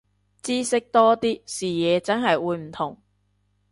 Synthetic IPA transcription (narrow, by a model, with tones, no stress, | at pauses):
t͡siː˥sɪ˥k̚t̪ɔː˥t̪iː˥siː˨˩jɛː˨˧t͡sɐ˥nɦɐ˨jwuː˨˧jm̩˨˩t̪ʰʊ˨˩ŋ